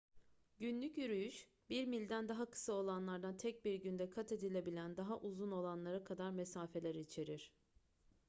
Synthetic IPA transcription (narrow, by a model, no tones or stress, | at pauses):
ɟynlʲycyɾyjyʃ | biɾmilʲd̪ænd̪aɦakʰɯ̥sao̞lˠanlˠaɾd̪ant̪ʰɛc̚biɾɟynd̪ɛkʰat̪ʰe̞d̪ilʲe̞bilʲænd̪aɦaʔuzuno̞lˠanlˠaɾakʰad̪aɾmesaːfe̞lʲæɾit͡ʃʰe̞ɾiɾ̥